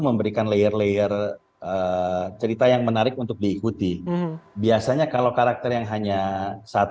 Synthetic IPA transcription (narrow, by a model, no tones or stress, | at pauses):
məmbəɾikanlejərlejər | ət͡ʃəɾit̪ajaŋmənaɾɪk̚unt̪ʊk̚diːkut̪ibiasaɲakalawkaɾak̚t̪ɛrjaŋɦaɲasat̪